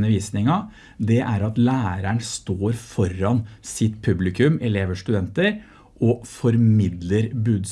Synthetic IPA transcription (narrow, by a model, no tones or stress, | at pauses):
nəʋiːsnɪŋɑ | d̪ɛʔæɾɑt̪læːɾæɳst̪oːɾfɔɾɑnsɪt̪pʰʉblɪkʰʉmɛleːʋəʂʈ̪ʉd̪ɛnt̪əɾ | ʔɔfɔɾmɪd̪ləɾbʉːd̪s